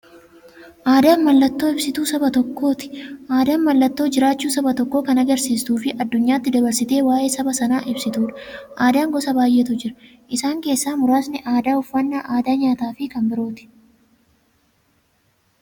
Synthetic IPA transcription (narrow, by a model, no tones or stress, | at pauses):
ʔaːd̪aːnmɐlːɐt̪ːo̞ːɪbsɪt̪uːsɐbɐt̪ɔkːo̞ːt̪ɪ̥ʔaːd̪aːnmɐlːɐt̪ːoːd͡ʒɪɾaːt͡ʃːuːsɐbɐt̪ɔkːo̞ːkɐnɐɡɐɾsiːst̪uːfɪʔɐd̪ːʊɲːaːt̪ːɪd̪ɐbɐɾsɪt̪e̞ːwaːje̞ːsɐbɐsɐnaːʔɪbsɪt̪uːᶑɐ̥ʔaːd̪aːŋɡɔsɐbaːjʔeːt̪ʊd͡ʒɪɾɐ | ʔɪsaːŋke̞ːsːaːmʊɾaːsnɪʔaːd̪aːʊfːɐnːaːʔaːd̪aːɲaːt̪aːfɪkɐmbɪɾo̞ːt̪ɪ̥